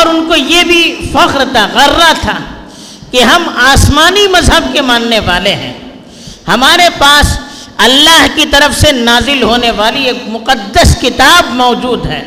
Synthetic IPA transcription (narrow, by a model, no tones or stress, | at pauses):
ɔːɾʊnkojebʱifɐqɾt̪ʰaɣɐɾːat̪ʰa | keɦɐmaːsmaːnimɐzɦəb̚kemãːnːeʋaːleɦɛ̰̃ː | hɐmaːɾepaːs | ɐlːaːɦkit̪ɐɾəfsenaːzɪlɦoːneʋaːlieːkmʊqəd̪ːəskɪt̪aːbmɔːd͡ʒuːd̪ɦɛ̰ː